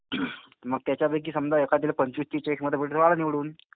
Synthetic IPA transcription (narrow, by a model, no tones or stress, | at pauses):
məɡ̚t̪jat͡ɕjabək̬iːsəmd̪aekʰat̪iːlpəɲt͡ɕust̪it͡ɕekməd̪ʱebeʈisʋaɭniʋɽuːn